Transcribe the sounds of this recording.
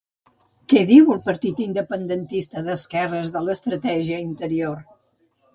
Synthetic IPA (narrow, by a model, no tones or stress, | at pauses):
kɛðiwəlˠpəɾt̪it̪ind̪əpənd̪ənt̪ist̪əðəskɛrəzðələst̪ɾət̪ɛʒiəint̪əɾior